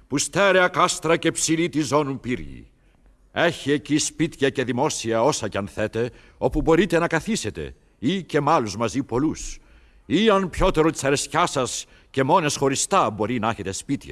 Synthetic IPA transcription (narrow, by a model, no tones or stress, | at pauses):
pust̪eɾeɐkɐst̪ɾɐcepsilit̪izo̞nupiɾʝḭ | eçiecispit̪çɐce̞ðimo̞siɐo̞sɐceɐnθe̞t̪e̞ | o̞pubo̞ɾit̪e̞nɐkɐθise̞t̪e̞̰ | ice̞mɐluzmɐzipo̞lus | iɐnpço̞t̪e̞ɾot̪i̥sɐɾe̞sçɐsɐs | ce̞mo̞ne̞sxo̞ɾist̪ɐbo̞ɾinɐeçe̞t̪e̞spit̪çɐ̰